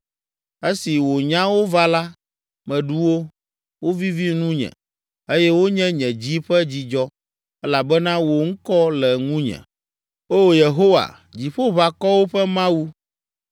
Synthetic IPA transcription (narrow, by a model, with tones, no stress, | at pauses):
e˦si˨wo˨ɲã˦wo˦va˦la˦ | mɛ̃˨ɖu˦wo˦ | wo˦vi˦vi˦nũ˦ɲɛ̰̃˨ | e˦jɛ˦wo˦ɲɛ̃˦ɲɛ̃˨d͡ʑi˦ɸɛ˦d͡ʑi˨d͡ʒɔ˦ | ɛ˦la˨bɛ˦nã˦wo˨ŋ̩˦kɔ˦lɛ˨ŋũ˦ɲɛ̰̃˨ | oː˦je˨ɦo˦wa̰˨ | d͡ʑi˨ɸo˦βa˨kɔ˦wo˦ɸɛ˦mã˦wu˦